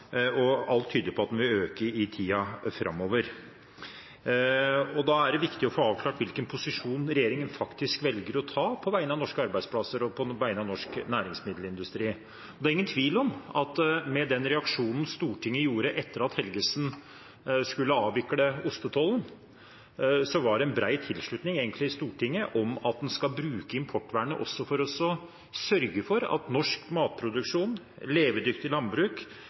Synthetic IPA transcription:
ɔɑlt̪ʰːyːd̪lɪpʰɔɑt̪̚ɛnʋɪøːkəɾɪt̪ʰiːɑfɾʔɑ̰mːoːʋəɾ | ɔd̪ɑæɖɛʋɪkt̪ɪɔfoːɑːʋkʰlɑːʈʋɪlkənpʰʊsɪʂuːnɾɛjeːɾɪŋənfɑkt̪ɪskʋɛlɡəɾɔt̪ʰɑːpʰɔʋæɪənɑnɔʂkəɑɾbæɪd̪spʰlɑsəɾɔpʰɔʋæɪənɑnɔʂknæːɾɪŋsmɪd̪l̩ɪnd̪ʉst̪ɾiː | ɔd̪æɾɪŋːənt̪ʰʋiːlɔmɑt̪mɛd̪ɛnɾɛɑkʂuːnn̩st̪uːʈʰɪŋːəjuːɾəʔɛt̪ːəɾɑt̪hɛlɡəsn | skʉlːəɑːʋɪkːɽəʊst̪ət̪ʰɔln | sɔʋɑɖɛɛnbɾæɪt̪ʰɪlʂɭʉt̪nɪŋeːɡənt̪lɪɪst̪uːʈʰɪŋːəʔɔmɑt̪̚d̪ɛnskɑlbɾʉːkəɪmpʰɔʈːʋæːɳə̰ʔɔ̰sːɔfɔɾɔsɔ | sœɾɡəfɔɾɑ̰t̪nɔʂkmɑːt̪̚pʰɾʊd̪ʉkʂuːn | leːʋəd̪ʏkt̪ɪlɑnbɾʉːk

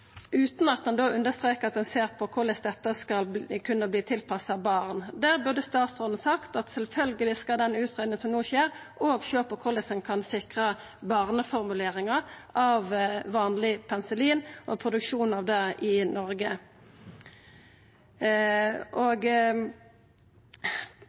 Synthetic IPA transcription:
ʉːt̪nɑt̪̚d̪ɛnd̪oːʉnd̪əst̪ʁeːkəʁɑt̪̚d̪ɛnseːʁpʰɔkʰʊʁlɛsd̪ɛt̪ːəskɑlkʰʉnːəbliːt̪ʰɪlpʰɑsɑbɑːʁnd̪æːʁbʉʁd̪əst̪ɑːt̪sʁɔːd̪n̩sɑkt̪ɑt̪sɛlfœlɡəlɪskɑld̪ɛnʉːt̪ʰʁeːd̪nɪŋənsɔmnuːçeːʁʔoːɡʃøːpɔkʰʊʁlɛsənkʰɑnsɪkʁə | bɑːʁnəfɔʁmʉleːʁɪŋɑɑʋʋɑːnlɪpʰɛnsəliːnʔɔpʰʁʊd̪ʉkʃuːn̩ɑʋd̪ɛɪnɔʁɡə | ʔoːɡ

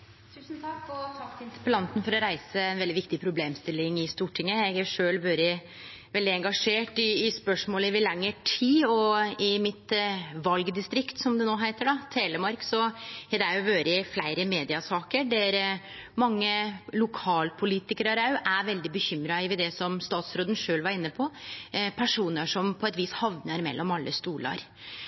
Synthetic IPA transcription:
t̪ʰʉːsnt̪ʰɑkːɔt̪ʰɑkt̪ɪnt̪ɪ̥pəlɑnt̪n̩fɔɾɔɾæɪsəɛnʋɛlɪʋɪkt̪ɪpʰɾʊbleːmst̪ɪlːɪŋɪst̪uːʈʰɪŋːəɛɡæʂøːlʋøːɾə | ʋɛld̪ɪɛŋɡɑʂeːʈɪɪspœʂmoːləʋɪlɛŋːəʈʰiːɔɪmɪt̪ʋɑlɡd̪ɪst̪ɾɪkt̪sɔmd̪ɛnoːɦæɪt̪əɖɑt̪ʰeːləmɑɾksɔd̪ɛæɾjʊʋøːɾəɪflæɪɾəmeːd̪ɪɑsɑːkəɖɛɾ | mɑŋːəlʊkʰɑːlpʰʊliːt̪ɪkəɾəɾɑʉʔæɾʋɛld̪ɪbəçʏmɾɑɪʋɪd̪ɛsɔmst̪ɑːt̪sɾoːd̪ənʂøːlʋɑɾɪnːəpʰɔpʰæʂuːnəʂɔmpʰɔɛt̪ʋiːshɑʋnəɾmɛ̰lːɔmɑlːʔəst̪uːlɑ̰ɾ

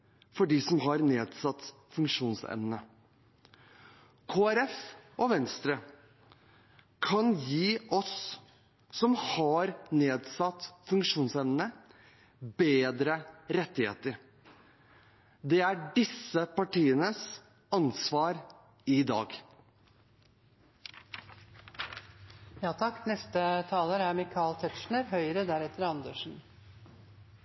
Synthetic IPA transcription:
fɔɖiːsɔmɦɑɾneːd̪sɑt̪ː | fʉŋkʂuːnsɛ̰mnə | kʰoːæɾɛfʔɔʋɛnst̪ɾə | kʰɑnjiːɔsː | ɔmhɑɾneːd̪sɑt̪ːfʉŋkʂuːnsɛmnə | beːd̪ɾəɾɛt̪ːɪhḛːt̪əɾ | d̪ɛæɖɪsəpɑʈiːənəs | ɑnsʋɑːɾ | ɪd̪ɑ̰ːɡ | jɑːt̪ʰɑkːnɛst̪ət̪ʰɑːləɾæmɪkʰɑːlt̪ʰɛt̪ʂɳəɾɦœʏəɾəd̪æɾɛt̪əɾɑnd̪əʂn̩

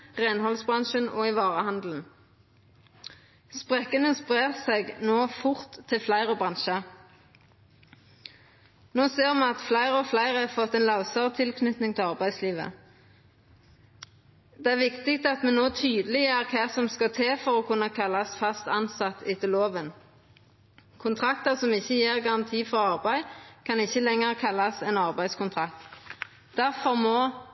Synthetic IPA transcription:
ʁænhɔlsbʁɑnʃənɔ̰ːɪʋɑːʁəhɑnd̪l̩n̩ | spʁɛkənəspʁeːʁseɡnoːfʊʁt̪ʰːɪlflæɪʁɔbʁɑnʃə | noːseːʁmɑnɑt̪flæɪʁəɔflæɪʁəfɔt̪ːɛnlɑʊsɑʁt̪ʰɪlkʰnʏt̪nɪŋt̪ʰɛlɑʁbæɪd̪sliːʋə̰ | d̪̥ɛæʁʋɪkt̪ɪk̚t̪ɑt̪mɛnnoːt̪ʰyːd̪əlɪjæːʁkʰæːsɔmskɑt̪ʰeːfɔʁɔkʰʉnːəkʰɑlːɑsfɑst̪ɑnsɑt̪ʰɪt̪ʰːɪloːʋən | kʰʊnt̪ʰʁɑk̚t̪əʁsɔmɪçəjeːʁɡɑʁɑnt̪ʰiːfɔʁɑʁbæɪkʰɑnɪçːəlɛŋːəʁkʰɑlːɑsɛnɑʁbæɪskʊnt̪ʰʁɑk̚t̪ | d̪̥æʁfɔʁmoː

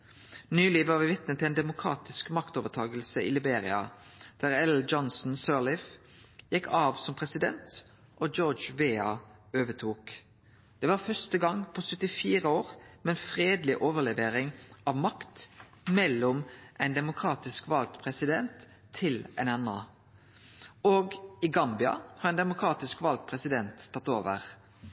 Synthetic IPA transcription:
nyːliːʋəɑɾʋɪʋɪt̪nət̪ʰɛɪnd̪ɛmʊkʰʁɑ̰ːt̪ɪskmɑkt̪oːʋət̪ʰɑːɡəlsəḭːlɪbeːʁɪ̰ɑ̰d̪̥æːʁɛld͡ʒɔnsn̩søːlɪfjɛkːɑːʋsɔmpʰʁɛsɪd̪ɛ̰nt̪ | ʔod͡ʒoːd͡ʒʋeːɑ̰øːʋət̪ʰuːk | d̪̥ɛːʋɑːfœstəɡɑŋpʰosœt̪ɪfiːʁəoːʁmɛnfʁeːd̪lɪʔoːʋəʁlɛʋeːʁɪŋɑʋmɑkt̪ | mɛlːɔmʔæɪnd̪ɛmʊkʰʁɑːt̪ɪskʋɑlt̪pʰʁɛsɪd̪ɛnt̪ʰː | ɪlɛnɛnɑː | oːɡɪɡɑmbɪɑ̰hɑːʁɛɪnd̪ɛmʊkʰʁɑːt̪ɪskʋɑlt̪̚pʰʁɛsɪd̪ɛnt̪ʰːɑt̪ːoːʋə̰ʁ

